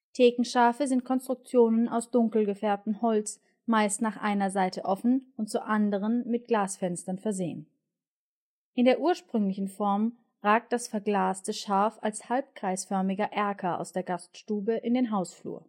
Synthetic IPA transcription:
tʰeːkŋ̩ʃaːfəzɪnt̚kʰɔnstʁ̥ʊk̚t͡sjoːnənaʊsd̥ʊŋkl̩ɡəfɛɐp̚tm̩hɔlt͡s | maɪstnaːχʔa̰ɪnɐzaɪtəʔɔfn̩ʊnt̚t͡sʊmʔandəʁ̞ənmɪt̚ɡ̥laːsfɛnstɐnfɛɐzeːən | ʔɪndeːɐʔuːɐʃpʁ̥ʏŋlɪçn̩fɔɐm | ʁaːk̚t̚d̥asfɛɐɡlaːstəʃaɐfalshalp̚kʁ̥aɪsfœɐmɪɡɐʔɛɐkʰɐʔa̰ʊsd̥eːɐɡastʃtuːbəʔɪndeːnɦaʊsflṵːɐ

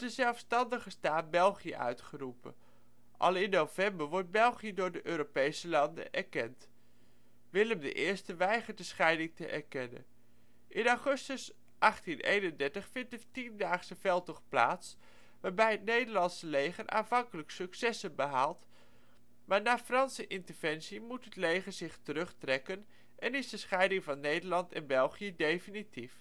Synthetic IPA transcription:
d̥əzɛlˠfstɑndəχəstaːt̚bɛlˠχijə̰ʔœ̰ɥtχərupə̰n | ʔɑ̰lˠɪnːowvɛmbəɹʋɔɹt̚bɛlˠχijədʊːɹdəʔøːɾopejsəlɑndə̰ʔɛ̰ɹkɛnt | ʋɪləmdə̰ʔɪːɹstəʋɛjχəɹdəsχɛjdɪŋtəʔɛ̰ɹkɛnə̰n | ʔɪnaχɵstəs | ʔɑχtinḛjnəndɛɹtəχfɪntdətindaːχsəv̥ɛlˠtɔχpla̰ːts | ʋaːɹbɛjɦətnejdəɹlɑnsəlejχənʔa̰ːnvɑŋkələksɵksɛsənbəɦaːlˠt | maːɹnaːfrɑnsəʔɪntəɹvɛnsimutɦətlejχəɹz̥ɪχtərɵχtrɛkən | ʔɛnɪzdəsχɛjdɪŋvɑnːejdəɹlɑntɛ̰nbɛlˠχijədejfənitif

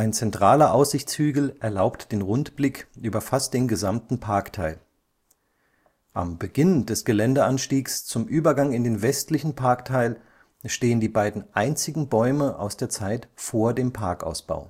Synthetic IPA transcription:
ʔaɪnt͡sɛntʁ̥aːlɐʔaʊsz̥ɪçt͡shyːɡl̩ʔɛɐlaʊptd̥eːnʁʊntb̥lɪkʔyːbɐfast̚d̥eːnɡəzamtn̩pʰaɐktʰaɪl | ʔa̰mbəɡɪndɛsɡ̥əlɛndəʔanʃtiːkst͡sʊmʔyːbɐɡaŋɪndeːnvɛstlɪçn̩pʰaɐktʰaɪl | ʃteːəndiːbaɪdn̩ʔaɪnt͡sɪɡŋ̩bɔʏməʔa̰ʊsd̥eːɐt͡saɪtfoːɐdeːmpʰaɐka̰ʊsb̥a̰ʊ

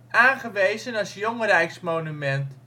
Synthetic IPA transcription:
aːnχəʋejzənɑsjoŋərɛjksmownymɛnt

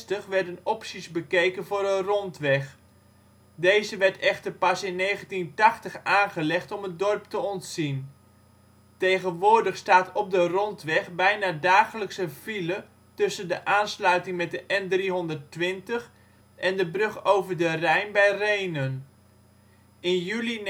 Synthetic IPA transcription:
təχʋɛɹdənɔpsizbəkejkənvʊːrdərɔntʋɛχ | dejzəʋɛɹtɛχtəɹpɑsɪnːejχəntintɑχtəχaːnχəlɛχtɔmət̚dɔrptəɔntsin | tejχənʋʊːɹdəχstaːtɔb̚dərɔntʋɛχbɛjnaːdaːχələksəvilə | tɵsəndəʔaːnslœɥtɪŋmɛt̚dəʔɛndriɦɔndəɹtʋɪntəχ | ʔɛndəbrɵχowvəɹdərɛjnbɛjrejnən | ɪnjyli

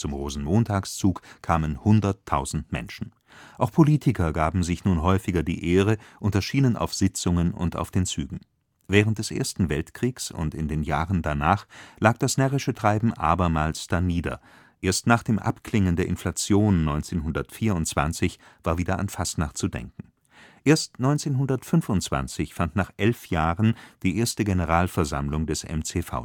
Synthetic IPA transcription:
t͡sʊmʁoːzn̩moːntʰaːkst͡suːkkʰaːmənhʊndɐtʰːaʊzn̩tmɛ̰nʃn̩ | ʔaʊxpʰoliːtʰɪkʰɐɡaːbm̩zɪçnuːnɦɔʏfɪɡɐdḭːʔeːʁəʔʊntɐʃiːnənʔa̰ʊfz̥ɪt͡sʊŋənʊ̰nta̰ʊfd̥eːnt͡syːɡŋ̩ | vɛːʁəntd̥ɛsʔḛːɐstn̩vɛltkʁ̥iːksʊ̰ntɪ̰ndeːnjaːʁəndanaːχlaːk̚d̥asnɛʁɪʃətʁ̥aɪbm̩ʔa̰ːbɐmaːlsd̥aniːdɐ̰ | ʔeːɐstnaːχd̥eːmʔa̰pkl̥ɪŋəndeːɐʔɪnflat͡sjoːnːɔʏnt͡seːnɦʊndɐtfiːɐʊntt͡sv̥a̰nt͡sɪçv̥aːɐviːdɐa̰nfastnaχtt͡sudɛ̰ŋkŋ̩ | ʔeːɐstnɔʏnt͡seːnɦʊndɐtfʏnfʊntt͡sv̥a̰nt͡sɪçfantnaːχʔɛlfjaːʁənd̥iːʔeːɐstəɡenəʁaːlfɛɐza̰mlʊŋdɛsʔɛ̰mt͡seːfa̰ʊ

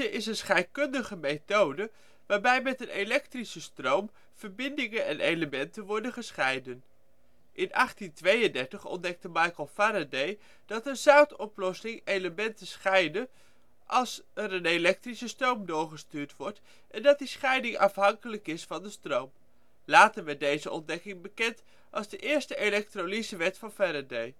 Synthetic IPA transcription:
əʔɪsənsχɛjt̚kɵndəχəmejtowdə | ʋaːɹbɛjmɛtənelɛk̚trisəstrowm | v̥əɹbɪndɪŋənɛ̰nʔejləmɛntənʋɔɹdənχəsχɛjdən | ʔɪnʔɑχtintʋejəndɛɹtəχɔ̰ndɛk̚təmɑjkəlˠfaɾadej | d̥ɑtənzawtɔplɔsɪŋejləmɛntəsχɛjdə | ʔɑlˠsɛɾənelɛk̚trisəstrowmdʊːɹχəstyːɹtʋɔɹt | ʔɛndɑt̚disχɛjdɪŋɑfɦɑŋkələkɪsfɑndəstrowm | laːtəɹmɛtdejzəʔɔ̰ndɛkɪŋbəkɛnt | ʔɑlˠzdəʔɪːɹstəʔelɛk̚tronisəʋɛtfɑnfaɾadej

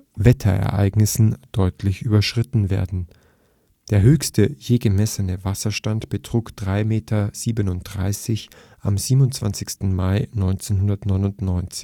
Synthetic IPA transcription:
vɛtʰɐ̰ʔɛ̰ɐʔa̰ɪɡnɪsn̩d̥ɔʏtʰlɪçʔyːbɐʃʁ̥ɪtn̩vḛːɐdn̩ | d̥eːɐɦøːçstəjeːɡəmɛsənəvasɐʃtantb̥ətʁ̥uːkd̥ʁaɪmeːtʰɐz̥iːbənʊnt̚d̥ʁa̰ɪsɪç | ʔa̰mziːbmʊnt͡sv̥a̰nt͡sɪçstn̩maɪnɔʏnt͡seːnɦʊndɐtnɔʏnʊntnɔʏnt͡sɪ̥

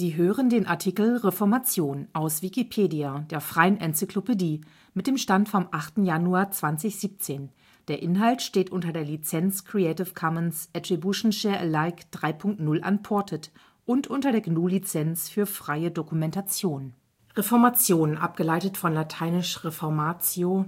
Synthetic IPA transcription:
z̥iːɦøːʁəndeːnʔa̰ɐtʰiːkl̩ʁefɔɐmat͡sjoːnʔaʊsv̥ikipʰeːdiad̥eːɐfʁ̥aɪənʔɛnt͡sɪklopediː | mɪt̚d̥eːmʃtantfɔmʔaχtn̩januaːɐt͡sv̥ant͡sɪçz̥iːp̚t͡seːn | d̥eːɐʔɪnɦaltʃteːtʔʊntɐdeːɐlit͡sɛnt͡skʁ̥iɛɪtɪfkʰɔmənsʔɛtʁ̥ibjuʃn̩ʃɛːɐʔəlaɪkd̥ʁaɪpʰʊŋk̚tnʊlʔa̰npʰɔɐtʰət | ʔʊntʔʊntɐɾeːɐɡnuːlit͡sɛnsfyːɐfʁ̥aɪədokumɛntat͡sjoːn | ʁefɔɐmat͡sjoːnʔa̰p̚ɡ̥əlaɪtətfɔnlatʰaɪnɪʃʁefɔɐmaːt͡sjo

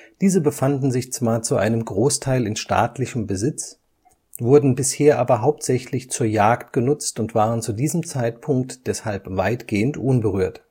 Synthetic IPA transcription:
d̥iːzəbəfandn̩zɪçt͡sv̥aːɐt͡suʔa̰ɪnəmɡʁoːstʰaɪlɪnʃta̰ːtlɪçəmbəzɪt͡s | vʊɐdn̩bɪsheːɐʔaːbɐɦaʊp̚tz̥ɛçlɪçt͡suːɐjaːkt̚ɡ̥ənʊt͡stʊntv̥aːʁənt͡sudiːzəm̩t͡saɪtpʰʊŋk̚td̥ɛshalpv̥a̰ɪtɡ̥eːəntʔʊnbəʁyːɐt

